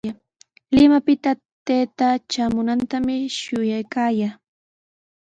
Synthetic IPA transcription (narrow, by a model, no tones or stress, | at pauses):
a | lɪmapɪt̪a | t̪eːt̪at͡ʃamʊnant̪amɪʃʊjajkaːjaː